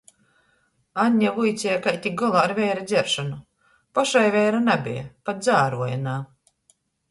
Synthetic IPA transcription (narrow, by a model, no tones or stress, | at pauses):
anʲːavujt̪sʲɛjakajt̪ʲik̚ɡɔlˠaːɾvʲɛjɾad̪zʲɛɾʃɔnu | paʃajvʲɛjɾanabʲḭja̰pat̪̚d̪zaːɾuɔjanaː